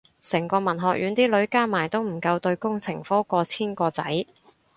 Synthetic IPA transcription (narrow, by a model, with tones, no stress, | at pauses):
sɛ˨˩ŋkɔː˧mɐ˨˩nɦɔː˨k̚jʔyː˨˥nt̪iː˥lɵ˨˥ɥkaː˥maː˨˩jt̪o˥wm̩˨˩kɐ˧wt̪ɵ˧ɥkʊ˥ŋt͡sʰɪ˨˩ŋfɔː˥kɔː˧t͡sʰiː˥nkɔː˧t͡sɐ̰˨˥j